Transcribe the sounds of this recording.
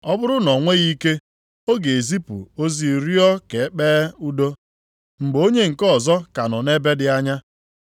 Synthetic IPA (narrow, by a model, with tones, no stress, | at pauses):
ɔ˦bʊ˦ɾʊ˦nɔ˨ŋʷe˦ɣi˦ke˦ | o˦ɡe˨e˨zi˦pṵ˨o˦zi˨ɾi˦ɔ˦ke˨˦k͡peː˦u˦do˦ | ŋ͡m̩˨ɡ͡bo˦ɲe˦ŋ̩˨kɔ˦˨zɔ˦ka˨nɔ˨ne˦be˦dɪ˨a˦ɲa˦